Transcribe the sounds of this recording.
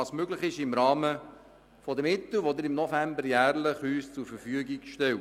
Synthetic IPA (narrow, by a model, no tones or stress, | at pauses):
ɑːsmøɡlɪχɪʃɪmɾɑːmə | fɔd̪əmɪt̪lʋod̪ɪɾɪmnɔfæmbəɾjæːɾləχyːst͡sʊɾfəfyəɡɪɡʃtɛl